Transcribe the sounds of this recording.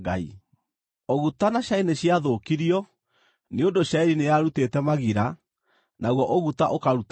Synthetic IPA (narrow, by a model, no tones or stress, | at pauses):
ɡaḭ | oɣutanaɕaineɕiaðokiɾiɔ | neondoʃaiɾineaɾutetɛmaɣiɾa | naɣwɔʔoɣutaʔokaɾut